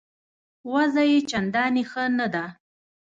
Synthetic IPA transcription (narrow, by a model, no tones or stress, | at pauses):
wazajet͡ʃand̪ɑnixənad̪a